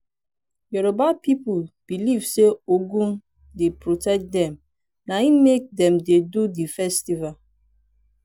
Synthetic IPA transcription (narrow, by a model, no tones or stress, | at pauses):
jɔɾobapipulb̥ilivseoɡũm | depɾotɛk̚dɛm | naĩmek̚dɛ̃mdedudifɛstival